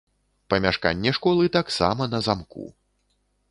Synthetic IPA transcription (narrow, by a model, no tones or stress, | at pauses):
pɐmʲaʂka̰nʲːɛʂkɔlˠɨt̪aksa̰mɐnɐzamkṵ